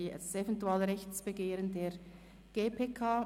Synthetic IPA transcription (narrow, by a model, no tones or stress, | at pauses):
sɛvɛntuaːlɾɛçt͡sb̥eɡeːɾəndeːɾ | ɡ̥eːpʰeːkʰaː